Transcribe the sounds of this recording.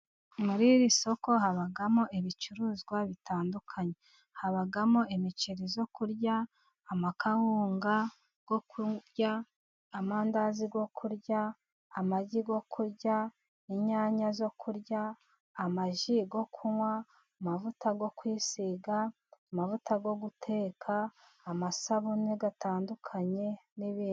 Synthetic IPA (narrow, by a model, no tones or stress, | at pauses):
muɾiɾiso̞ko̞haβaɡamoeβit͡ʃuɾuːzɡwaβitaːndukʰaɲe̞ | haβaɡamoemit͡ʃiɾizo̞kuɾɟaː | makʰawuːŋɡa | ɡ̥o̞kuɟaː | maːndaziɡo̞kʰuɾɟaː | maɟiɡo̞kʰuɾɟa | iɲaːɲazo̞kʰuɾɟaː | maʒiɡo̞kʰuwa | mavutʰaɡo̞kwiːsiɡa | amavutaɡo̞ɡutʰe̞ːkʰaː | masaβuneɡataːndukʰaɲe̞niβiːni